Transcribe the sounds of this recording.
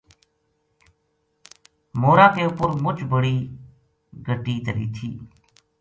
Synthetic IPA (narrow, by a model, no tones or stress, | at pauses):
moːɾaːkeːʊpʊɾmʊt͡ʃbəɽiː | ɡʱəʈiːd̪əɾḭːt̪ʰḭː